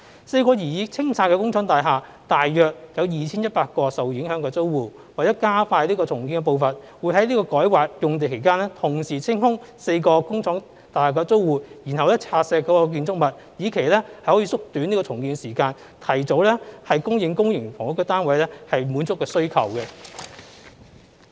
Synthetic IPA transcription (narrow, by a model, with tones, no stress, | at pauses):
se˧jkɔː˧jiː˨˩jiː˨˧t͡sʰɪ˥ŋt͡sʰaː˧kːɛ˧kʊ˥ŋt͡sʰɔː˨˥ŋt̪aː˨jɦaː˨˩ | t̪aː˨jːœː˨˩k̚jɐ˨˧wjiː˨t͡sʰiː˥njɐ˥t̚paː˧t̚kɔː˧sɐ˨wji˨˥ŋɦœː˨˥ŋkɔː˧t͡so˥wwuː˨˩ | wa˨ɛː˨˦˥kaː˥faː˧jliː˥kɔː˧t͡sʰʊ˨˩ŋki˨˧nŋkɛ˧p̬o˧wfɐ˨n | wu˨˧jɦɐ˨˥jliː˥kɔː˧kɔː˨˥jwaː˨k̚jʊ˨ŋt̪e˨jkʰe˨˩jkaː˥nlɛː˥t̪ʰʊ˨˩ŋsiː˨˩t͡sʰɪ˥ŋhʊ˥ŋ | se˧jkɔː˧kʊ˥ŋt͡sʰɔː˨˥ŋ | t̪aː˨jhaː˨˩kːɔː˧t͡so˥wwuː˨˩jiː˨˩nɦɐ˨wlɛː˥t͡sʰaː˧sɛː˧kːɔː˨˧˥kɔ˧k̬iː˧nt͡sʊ˥k̚mɐ˨t̚ | jiː˨˧kʰe˨˩jlɛ˥hɐ˨jhɔː˨˥iː˧sʊ˥k̚t̪y˨˥nliː˥kɔː˧t͡sʰʊ˨˩ŋkiː˧nsiː˨˩kaː˧n | t̪ʰɐ˨˩jt͡so˨˧˥wlɛ˥hɐ˨jkʊ˥ŋjɪ˨˧ŋkʊ˥ŋjɪ˨˩ŋfɔ̰ː˨˩ŋʊ˥kːə˥t̪aː˥nwɐ˨˧jlɛ˥hɐ˨jmuː˨˥nt͡sʊ˥kːɛː˧sɵ˥ɥkʰɐ̰˨˩wkɛ˧